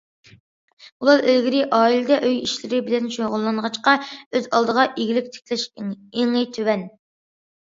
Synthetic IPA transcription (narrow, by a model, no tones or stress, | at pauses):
ulˠɑɾølɡʲiɾɪʔɑːilɨd̪ɛʔøjiʃlɪɾɪbɪlɛnʃoʁʊlˠːɑnʁɑt͡ʃqɑøzɑlˠd̪əʁɑʔiɡʲilɪk̚ʲt̪ʰe̥kʲʰlɛʃ | eŋɨt̪ʰøwɛn